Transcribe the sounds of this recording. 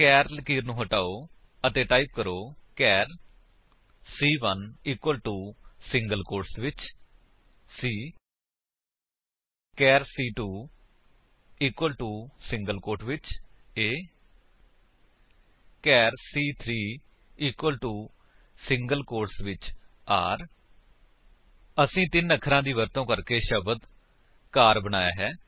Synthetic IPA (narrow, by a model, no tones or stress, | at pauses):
kɛːɾlkiːɾnũːɦəʈaːoː | ət̪eːʈaːip̚kəɾoːkɛːɾ | siːʋəniːkwəlʈuːsɪŋɡəlkoːɾsʋɪt͡ʃ | siː | kɛːɾsiːʈuː | iːkwəlʈuːsɪ̃ŋɡəlkoːʈʋɪt͡ʃeː | kɛːɾsiːt̪ʰɾiː | iːkwəlʈuː | sɪŋɡəlkoːʈsʋɪt͡ʃ | aːɾ | əsĩːt̪ɪnəkʰɾãːd̪iːʋəɾt̪õːkəɾkeːʃəbəd̪ | kaːɾbəna̰ːja̰ːɦɛː